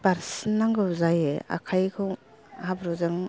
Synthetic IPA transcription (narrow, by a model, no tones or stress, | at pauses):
b̥aɾsinːaŋɡɯwzajea̰kʰajkʰɯw | habɾɔzɯŋ